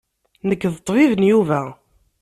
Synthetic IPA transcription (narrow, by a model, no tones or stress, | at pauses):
nəkːðət̪ˤːvivənjuvæ